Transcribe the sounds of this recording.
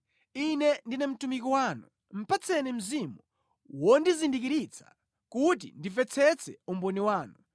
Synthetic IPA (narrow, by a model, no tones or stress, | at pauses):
inɛndinɛm̩tumikɔwaːnu | m̩pat͡sʰɛnim̩zimu | wɔndizindik̬iɾit͡sʰḁ | kut̬ḭndivɛt͡sʰɛt͡sʰɛumbɔniwaːnu